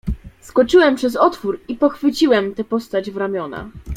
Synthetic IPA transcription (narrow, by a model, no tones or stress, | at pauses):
skɔt͡ʂɘwɛmpʂɛzɔt̪fuɾipɔxfɘt͡ɕiwɛmt̪ɛpɔst̪ad͡ʑvɾamʲjɔna̰